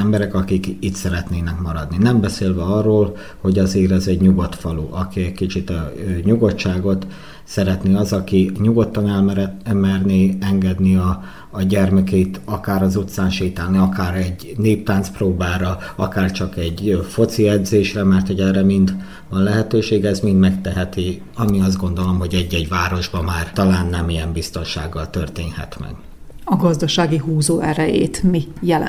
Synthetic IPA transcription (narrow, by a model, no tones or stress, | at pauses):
ɛmbɛɾɛkɒkikit̪sɛɾɛt̪neːnɛkmɒɾɒd̪ninɛmbɛseːlvɛɒrːoːl | ho̞ɟɒzeːɾɛzɛɟɲuɡot̪fɒluʔɒkiɛckit͡ʃit̪ɒɲuɡo̞tʃaːɡo̞t̪ | sɛɾɛt̪neɒzɒkiɲuɡo̞t̪ːɒnɛlmɛɾɛmɛrneːɛŋɡɛd̪niɒː | ɟɛrmɛkɛit̪ɒkaːɾɒzut̪saːnʃiːt̪aːlniɒkaːɾɛɟneːp̚t̪aːnt̪sproːbaːɾɒɒ̰kaːrt͡ʃɒkɛɟfo̞t̪siɛd̪zeːʃrɛmɛrt̪hoɟɛrɛmind̪ | vɒnlɛɦɛt̪øːʃeːɡɛzmind̪mɛkt̪ɛɦɛt̪i | ɒmiɒzd̪ɡo̞nd̪o̞lo̞mɦo̞ɟɛɟːɛɟvaːɾo̞ʒbɒmaːrt̪ɒlaːnːɛmijɛmbist̪o̞nʃaːɡːɒlt̪ørt̪eːnhɛ̰t̪mɛ̰ɡ̥ | ɒɡɒzd̪ɒʃaːɡiɦuːzoːɛɾɛjḛːt̪mijɛl̰